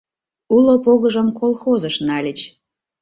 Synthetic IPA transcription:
ulopoɣəʒəmkolˠxozəʃnɑlʲət͡ɕ

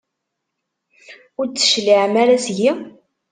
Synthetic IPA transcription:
ʊɾt͡s̪ːə̥ʃliʕmæɾæsʝi

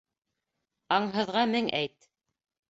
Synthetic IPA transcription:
ɑɴɦɤ̆ðʁɑmɘŋæjt̪

